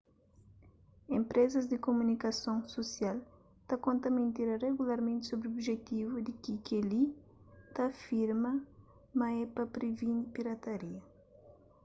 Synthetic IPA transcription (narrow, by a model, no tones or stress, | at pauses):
ẽmpɾɛzɐzd̪ɪkomunikɐsõŋsosjal | t̪akõnt̪ɐmẽnt̪iɾɐreɣulaɾmẽnt̪sobɾiobʒet̪ivud̪ɪkikeli | t̪afiɾmɐ | mɐɛpɐpɾevinpiɾɐt̪ɐɾiɐ